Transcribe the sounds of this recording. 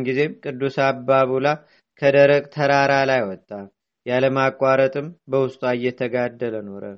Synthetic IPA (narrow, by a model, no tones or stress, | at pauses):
nɡize̞mkʼɨd̪ːusabːaβula | kʰəd̪əɾəɡʼt̪ʰəɾaɾalajwɔt̪ʼːa | jaləmakʼwaɾət̪ʼɨmbəwʊst̪ʼajːɛt̪ʰəɡad̪ːələno̞ɾə